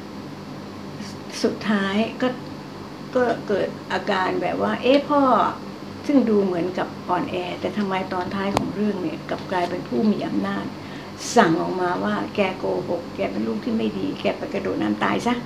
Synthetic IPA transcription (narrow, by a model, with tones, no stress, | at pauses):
su˨˩t̪ʰːaː˦˥jkɔː˥˩ | kɔː˥˩kɤː˨˩t̪̚ʔaː˧kaː˧nbɛ̰ː˨˩p̚waː˥˩ʔe˦˥pʰɔː˥˩ | sɯ˥˩ŋduː˧mɯ˩˦ənka˨˩p̚ʔɔː˧nʔɛː˧t̪ɛː˨˩t̪ʰa˧mːa˧jt̪ɔː˧nt̪ʰaː˦˥jkʰɔː˩˦ŋɾɯ˥˩əŋni˦˧˩əka˨˩p̚klaː˧jpe˧npʰuː˥˩miː˧ʔa˧mnaː˥˩t̪̚ | sa˨˩ŋʔɔː˨˩k̚maː˧waː˥˩kɛː˧koː˧ho˨˩kːɛː˧pe˧nluː˥˩k̚t̪ʰiː˥˩ma˥˩jdiː˧kɛː˧˩pa˧˩jka˧doː˨˩t̪̚naː˦˥mt̪a̰ː˧jsa˦˥ʔ